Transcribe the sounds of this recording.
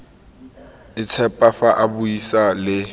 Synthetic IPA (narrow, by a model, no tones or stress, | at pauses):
ɪt͡sʰɛpʼafaʔabʊisalɪ